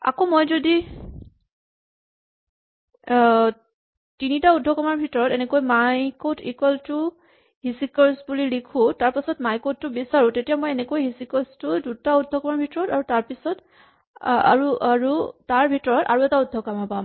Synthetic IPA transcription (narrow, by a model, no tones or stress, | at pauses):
a̰komojzodi | tinitaudʱɔkɔmaɹbʱitɔɹɔtɛnɛkojmajkotḭkwɛltʊ | ɦisikɔɹsbulilikʰʊ̃taɹpasɔtmajkod̚tʊbisaɹʊ̃tetijamojɛnɛkojɦisikɔstʊdutaudʱːɔkɔmaɹbʱitɔɹɔtaɹutaɹpisɔt | a̰ɹuaɹutaɹbʱitɔɹɔta̰ɹuɛtaudʱːɔkamapam